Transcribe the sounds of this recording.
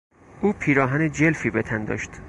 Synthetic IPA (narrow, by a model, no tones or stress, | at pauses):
ʔuːpʰiːɾɒːɦæned͡ʒe̞lfiːbe̞t̪ʰænd̪ɒ̰ːʃt̪